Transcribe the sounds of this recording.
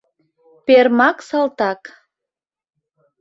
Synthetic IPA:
permɑksɑlt̪ɑk

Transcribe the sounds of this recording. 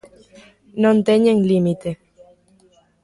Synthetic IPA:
nõnt̪eɲeŋlimit̪e

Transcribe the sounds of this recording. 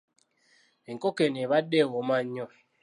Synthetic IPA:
eŋ̩kokeneβadewɔmaɲːɔ

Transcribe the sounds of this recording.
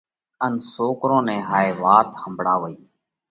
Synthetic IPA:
ənsoːkɾõːnɛ̃ːɦaːeːʋaːt̪həmbʱɽaːʋəiː

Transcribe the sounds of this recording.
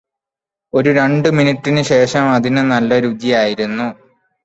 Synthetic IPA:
o̞ɾuɾe̞ɳɖɨminitːinɨɕe̞ːʂɐmɐðinɨnɐlːɐɾud͡ʑijaːjiɾunːu

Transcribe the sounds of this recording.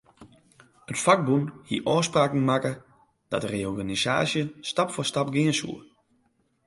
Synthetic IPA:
ətfak̚bunhiəʔɔːspraːkŋ̩makə | d̥ɔ̰təreɔrɡanisa̰ːsjəstapfɔrstap̚ɡɪənsṵə

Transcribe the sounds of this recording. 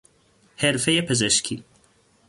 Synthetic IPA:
hɛɾfɛjɛpʰɛzɛʃkʰi

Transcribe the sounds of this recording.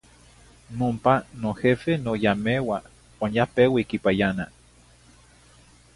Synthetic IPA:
nompanohefenojamewa | wanjapewikipajana

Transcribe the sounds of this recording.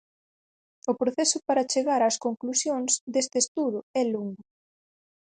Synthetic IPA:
ʊpɾoθɛsʊpaɾɐt͡ʃeɣaɾaskoŋklusjoŋzd̪est̪ɪest̪uð̞ʊɛloŋɡʊ

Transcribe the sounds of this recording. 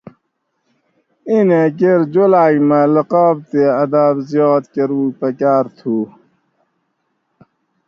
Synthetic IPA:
inekeɾd͡ʑolaːjmɐləqɔːb̚t̪eɐd̪abzjoːt̪keɾuːpɐkaːɾt̪ʰu

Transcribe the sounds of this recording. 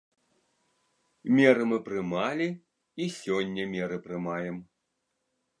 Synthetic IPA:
mʲɛɾɨmɨpɾɨmalʲi | isʲɔnʲːɐmʲɛɾɨpɾɨmajɛm

